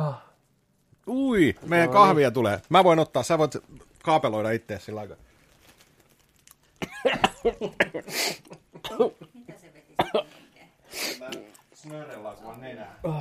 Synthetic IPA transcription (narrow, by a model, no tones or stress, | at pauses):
uimeˑijækɑhʋiɑt̪uleːmæʋoinot̪ːɑːssæːʋoˑit̪ | kɑːpeloiɾɑit̪ːeːssilːɑikɑ